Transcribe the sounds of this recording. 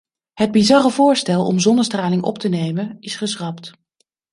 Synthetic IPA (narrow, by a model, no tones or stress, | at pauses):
ɦəd̚bizɑrəvʊːɹstɛlˠɔ̰mzɔnəstraːlɪŋʔɔ̰ptənejmənɪsχəsrɑpt